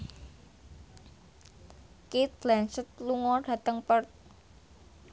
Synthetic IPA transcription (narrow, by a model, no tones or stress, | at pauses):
kit̪̚ɡlɛnsət̪̚luŋɔɖ̥ä̤t̪əŋpərt̪̚